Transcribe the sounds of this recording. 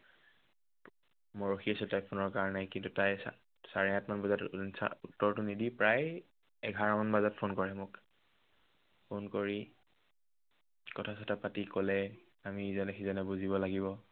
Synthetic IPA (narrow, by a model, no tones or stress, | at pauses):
mɔɹoxiasɛtajpʰonɔɹkaɹɔnajkintutajs | saɹɛɦatmanbɔzatsa̰utːɔɹtʊnidipɹaj | ɛɡʱaɹamanbazat̚pʰonkɔɹɛmʊk | pʰonkoɹi | kɔtʰasatʰapatikɔlɛ | amiːzɔnɛxizɔnɛbuziβɔlaɡiβɔ